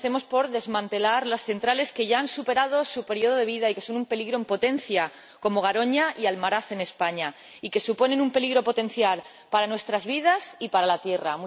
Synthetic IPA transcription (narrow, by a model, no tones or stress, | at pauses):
θe̞mo̞spo̞ɾðe̞zmãnt̪e̞laɾlasθe̞nt̪ɾale̞ske̞ʝaansupe̞ɾað̞o̞supe̞ɾjo̞ð̞oð̞e̞βiðaike̞so̞numpe̞liɣɾo̞empo̞t̪e̞n̟θja | ko̞mo̞ɣ̞aɾo̞ɲaʔialmaɾaθe̞ne̞spaɲa | ike̞supo̞nẽ̞numpe̞liɣɾo̞po̞t̪ẽ̞n̟θjal | paɾanwe̞st̪ɾazβið̞asipaɾalat̪je̞ram